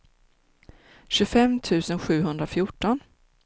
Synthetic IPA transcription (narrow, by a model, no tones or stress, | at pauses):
ɕɵfɛmt̪ʰʉ̟ːsənɧʉ̟ːɦɵnd̪ɾafjʊʈːɔn